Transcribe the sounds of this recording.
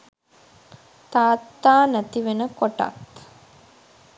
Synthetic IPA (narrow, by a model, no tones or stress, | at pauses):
t̪aːt̪ːaːnæt̪iʋenəkoʈa̰t̪